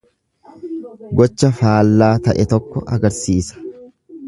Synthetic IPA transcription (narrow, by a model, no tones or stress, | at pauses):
ɡɔt͡ʃːɐfaːlːaːt̪ɐʔɛt̪ɔkːɔʔɐɡɐɾsiːsɐ̥